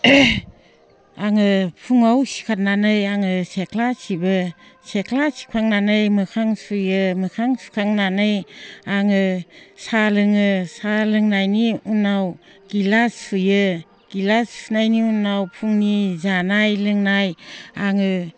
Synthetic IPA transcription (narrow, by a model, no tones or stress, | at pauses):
aŋɯpʰuŋawsi̥kʰat̚nanɯjaŋɯsekʰlasibɯsekʰlasi̥kʰaŋnanɯjmɯkʰaŋsujɯmɯkʰaŋsi̥kʰaŋnanɯjaŋɯsalɯŋɯsalɯŋnajniunaw | ɡ̥ilasujɯ | ɡ̥ilasunajniunawpʰuŋnizanajlɯŋnajaŋɯ